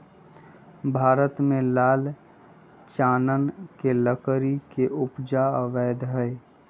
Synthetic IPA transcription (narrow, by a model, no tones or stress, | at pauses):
bʱaːɾət̪mẽlaːl | t͡ʃaːnənkeləkɾikeʔʊpd͡ʒaəʋɛːd̪ɦɛj